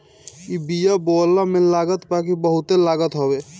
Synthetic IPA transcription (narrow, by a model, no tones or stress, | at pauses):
ibijabɔːlːamẽlaːɡət̪bakibəɦʊt̪elaːɡət̪ɦɔbe